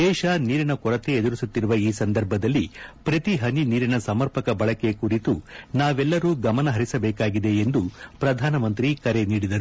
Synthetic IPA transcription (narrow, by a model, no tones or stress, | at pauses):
d̪ɛːʃɐniːɾinɐkɔɾɐt̪eed̪uɾisut̪ːiɾuʋɐiːsɐnd̪ɐɾbʱɐd̪ɐlːipɾɐt̪iɦɐniniːɾinɐsɐmɐɾpɐkɐbɐɭɐke̞kuɾit̪unaːʋɛlːɐɾuːɡɐmɐnɐɦɐɾisɐbɛːkaːɡid̪e̞ːnd̪upɾɐd̪ʱaːnɐmɐnt̪ɾikɐɾe̞niːɽid̪ɐɾu